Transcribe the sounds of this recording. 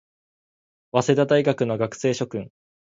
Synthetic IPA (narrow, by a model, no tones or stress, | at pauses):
βase̞d̪ad̪aiɡakɯ̟no̞ɡakɯ̟̥se̞ːɕo̞kɯ̟̃ŋ